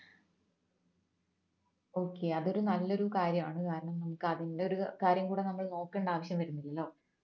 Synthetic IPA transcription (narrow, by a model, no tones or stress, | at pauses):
o̞ːkːe̞ɐðo̞ɾunɐlːo̞ɾukaːɾjɐmaːɳɨkaːɾɐɳɐmnɐmukːɨɐðindeo̞ɾukaːɾjɐmkuːɽe̞nɐmːɐɭno̞ːkːeːɳɖaːʋɐɕjɐmʋɐɾunːilːɐlːo̞ː